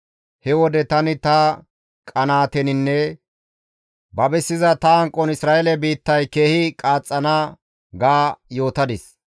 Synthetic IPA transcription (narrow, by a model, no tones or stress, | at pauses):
hɛwɔd̪ɛt̪ɐnɪt̪ɐ | kʼɐnaːt̪ɛnɪnːɛ | bɐbɛsːɪzɐt̪ɐɐŋkʼːɔnɪsɾaːʔɛlɛbiːt̪ːɐjkeːhɪkʼaːt͡sʼːɐna | ɡaːjo̞ːt̪ɐd̪ɪs